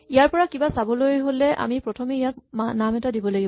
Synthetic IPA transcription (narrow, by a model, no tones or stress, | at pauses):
ijaɹpɔɹakibasabɔlojɦolɛʔa̰mipɹɔtʰɔmeijak̚manamɛtadibɔlaɡib